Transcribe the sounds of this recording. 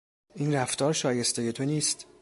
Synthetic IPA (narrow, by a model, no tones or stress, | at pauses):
ʔiːnræft̪ʰɒːɾʃɒːje̞st̪e̞je̞t̪ʰo̞niːst̪